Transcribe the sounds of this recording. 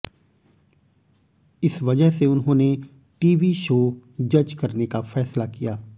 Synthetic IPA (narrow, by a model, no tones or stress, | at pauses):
ɪsʋɐd͡ʒəɦseʊnɦõːne | ʈiːʋiʃoːd͡ʒɐd͡ʒkɐɾnekafɛːslakijaː